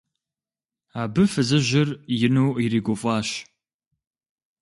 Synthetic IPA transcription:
aːbɨfɨzɐʑɪrjɪnuwiɾiːɡʷɔfʼɑːʃɕ

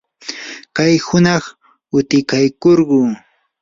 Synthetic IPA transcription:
kajhʊnɑχ | ʊt̪ɪkajkoɾɢʊː

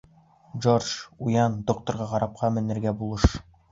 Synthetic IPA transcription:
ʒorʒujɑnd̪ok̚t̪ŏɾʁɑʁɑɾɑp̚qʰɑmɘ̆nːɘ̆ɾɡæbulˠɤʃ

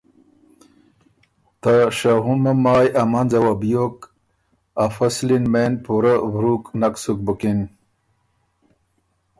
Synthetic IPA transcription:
t̪aʂaɦunmɐmaːjʔɐmɐnzɐwabijok | afɐslinmenpuɾabɾuknaksuk̚bukin

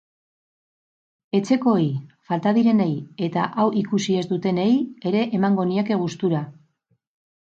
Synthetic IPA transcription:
e̞t͡se̞ko̞jfalt̪aðiɾe̞neje̞t̪a̰ʔawʔikusie̞zd̪ut̪e̞ne̞je̞ɾe̞ʔemaŋɡo̞nieke̞ɣ̞ust̪uɾa

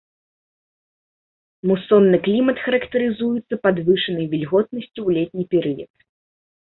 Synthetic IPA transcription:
musɔnːɨklʲimɐt̪xɐɾɐkt̪ɐɾɨzujut̪sːɐpad̪vɨʂɐnɐjvʲilʲɣɔt̪nɐsʲt͡sʲuwlʲɛt̪ʲnʲipʲɛɾɨjɐ̰t̪

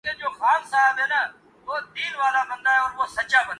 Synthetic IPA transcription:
kẽːd͡ʒoːxaːmsaːʋeːnə | ʋoːd̪iːnʋaːlaːbənd̪aːɦeɔːɾʋosət͡ʃaːbənː

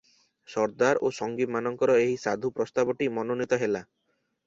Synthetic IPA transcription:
sɔɾd̪aɾoʃɔŋɡipmanɔŋkɔɾɔeɦisad̪ʱupɾɔst̪abɔʈimɔnonit̪ɔɦela

